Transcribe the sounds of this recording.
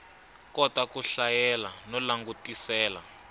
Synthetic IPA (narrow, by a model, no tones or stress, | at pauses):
kɔtakuɬajɛlanɔlaŋɡutʼisɛːla̰